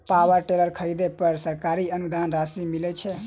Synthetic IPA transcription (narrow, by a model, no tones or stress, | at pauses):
pawəɾʈeləɾkʰəjd̪epəɾsəɾkaɾiənud̪anɾasimilɛt͡ʃʰɛ